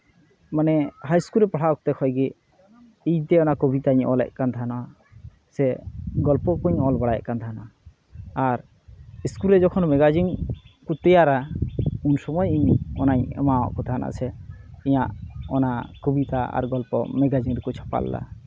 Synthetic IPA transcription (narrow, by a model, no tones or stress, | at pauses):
manɛhajskulɾɛpaɽʰaɔk̚t̪ɛkʰɔjɡɛ | ijt̪ɛɔnakɔbit̪aiɲʔɔlɛ̰ʔ̚ˀkant̪ʰanɔa | sɛɡɔlpɔkuɲɔlbaɽaja̰kant̪ʰanɔaː | ɾ | iskulɾɛd͡ʒɔkʰɔnmɛɡad͡ʒiŋkut̪ɛjaɾaunsɔmɔjiɲɔnaɲɛ̰mawa̰ʔkut̪ʰanʔa̰ʔsʰɛiɲaʔɔnakɔbit̪aa̰ɾɡɔlpɔ̰mɛɡad͡ʒiŋɾɛkut͡ʃʰɔ̥pa̰l̰ːa̰